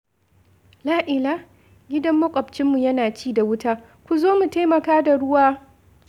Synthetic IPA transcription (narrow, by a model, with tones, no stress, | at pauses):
laː˦ʔɪ˨laː˦ | ɡʲɪ˦dɐ˦mːɐ˦kʷʼɐ˨bt͡ʃɪ˦mːu˨jɐ˦naː˨t͡ʃiː˦˨da˨wʊ˦taː˦ | kʷu˨zoː˦mu˨ta˦jmɐ˨kaː˦da˨ɽʊ˦waː˦